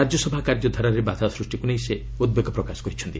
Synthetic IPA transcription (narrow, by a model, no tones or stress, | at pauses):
ad͡ʒjɔsɔbʱakaɾd͡ʒɔd̪ʱɔɾaɾebat̪asɾusʈikunejse | ud̪beɡɔpɾɔkasɔ̥kɔɾit͡ʃʰɔnt̪i